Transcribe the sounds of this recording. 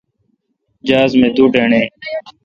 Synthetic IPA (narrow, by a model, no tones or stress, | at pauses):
d͡ʒaːzmẽːd̪uːɖeːɳẽː